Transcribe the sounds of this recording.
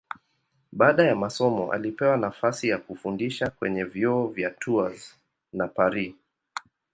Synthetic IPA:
ɓaːɗajamasɔmɔ̰ʔa̰lipɛwanafasijakufundiʃakwɛɲɛvjɔɔvjatʰuaz | napaɾi

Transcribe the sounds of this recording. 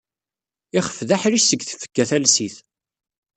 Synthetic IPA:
ɪχə̥fðaħɾiʃsəɡθə̥fə̥ɡːæθælsiθ

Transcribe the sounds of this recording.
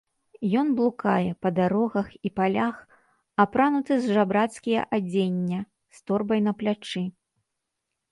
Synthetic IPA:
jɔnblˠuka̰jɛpɐd̪aɾɔɣɐxipalʲax | apɾanut̪ɨzʐabɾat̪skʲijɐ̰ʔad͡zʲenʲːɐ | st̪ɔrbɐjnɐplʲat͡ʂɨ

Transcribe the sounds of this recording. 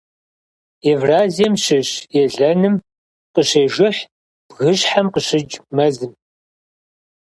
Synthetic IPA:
evraːzijɛmɕɪɕjɛɮɐnɨm | qəɕeːʒɨħ | b̥ɣɨɕħamqəɕɪd͡ʒʼmɐzɨm

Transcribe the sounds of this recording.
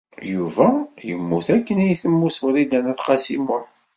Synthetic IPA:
juvæjə̰mːuθækːənæjθəmːuswɾid̪ænæθqɑsimʊ

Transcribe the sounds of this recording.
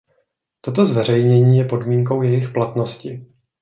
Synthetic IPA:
t̪ot̪̬o̞zvɛr̝ɛjɲɛɲiːjɛpo̞dmiːŋko̞wjɛjɪxplat̪no̞scɪ

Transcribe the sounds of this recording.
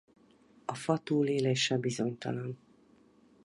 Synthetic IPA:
ɒfɒt̪uːleːleːʃɛbizo̞ɲt̪ɒ̰lɒn

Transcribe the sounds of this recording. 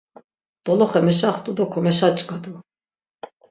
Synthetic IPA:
d̪̥ɔlɔχɛmɛʃ̬aχt̪ʼud̪ɔkʰɔmɛʃat͡ʃʼkʼad̪u

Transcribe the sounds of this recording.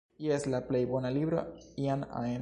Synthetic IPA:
ieslaplejbonaliβɾo̰iana̰en

